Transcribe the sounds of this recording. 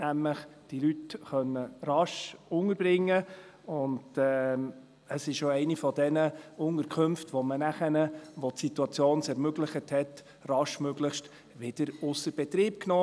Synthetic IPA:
næmləχd̥ilytχœnːərɑʃʊŋəɾbɾɪŋːə | ʊndɛ | əsɪʃoɛɪnifɔdɛnəʊŋəɾkʰɵmftʋɔmənæχənəʋɔtsituɑt͡sjoːnsɛɾmøɡləχəthɛt | rɑʃmøɡlɪχʃt | ʋɪd̥əɾʊsəɾb̥ɛt̪ɾiːp̚knoː

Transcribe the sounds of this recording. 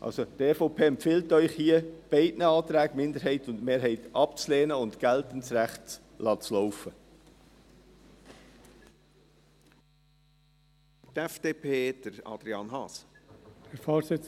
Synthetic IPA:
ʔɑ̰lsotɛfoʊpʰeːɛmpfɪltœʏχhiːəb̥ɛɪdnəɑːt̪ɾæːɡmɪndəɾɦɛɪtʊntmeːɾɦɛɪtɑpt͡sleːnəʊntɡ̥ɛltən̩sræχts | lʔɑːt͡slɔʊfə | tɛfd̥eːpʰeːd̥əɾɑ̰d̥ɾiɑːnɦɑːshɛɾfoːɾsɪt͡s

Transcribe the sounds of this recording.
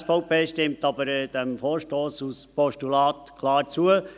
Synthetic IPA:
sfɔʊpeːʃtɪmtɑbəɾd̥ɛmfoːɾʃtoːsuspɔʃtulɑːt̪kʰlɑːɾt͡suə

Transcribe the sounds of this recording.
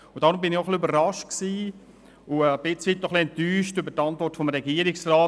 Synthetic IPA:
ʊnd̥ɑːɾʊmbɪnɪχoχliøbərɾɑʃtksiː | ʊəb̥ɪt͡sʋit̪nɔχliɛntyːʃtøbətɑntvɔrtfomɾɛɡiəɾɪksraː

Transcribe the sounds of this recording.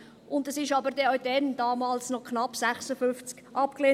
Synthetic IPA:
ʔʊndɛsɪʃɑbəɾdɛaʊd̥ɛndɑːmɑːlsnɔkʰnɑpsæχsəfʏft͡skʔɑp̚kleː

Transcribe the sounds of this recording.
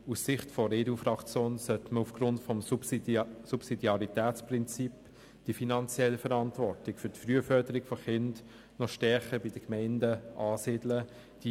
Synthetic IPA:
usɪχtfɔɾeːduːfɾɑkt͡sjoːnsœtməufɡ̥ɾʊntfɔmusupsidiɑɾitɛːt͡spʁɪnt͡sip | d̥ifinɑnt͡sjɛlːəfəɾɑntvɔɾtɪkfʏɾtfʁyəfœɾdəɾɪɡ̥fɔχɪnd | nɔʃtɛɾχəbid̥əkmɛɪndəʔɑːsɪdlə | d̥i

